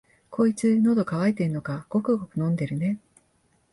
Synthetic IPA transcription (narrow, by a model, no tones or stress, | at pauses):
kʰo̞it͡sɨno̞d̪o̞kaβait̪e̞ɾɯno̞kaɡ̥o̞kɯ̟ɡo̞kɯ̟nõ̞nd̪e̞ɾɯ̟ne̞